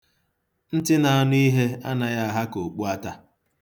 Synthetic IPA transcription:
n̩˦tɪ˦na˨a˦nʊ˦i˦ɦe˦a̰˦na˨ja˦a˨ɦa˦ko˨k͡pu˦a˦ta˦

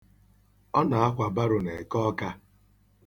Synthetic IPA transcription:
ɔ˦na˨a˦ɦʷa˨ba˦ɾʊ˨ne˨e˨kɔ˦ka˦

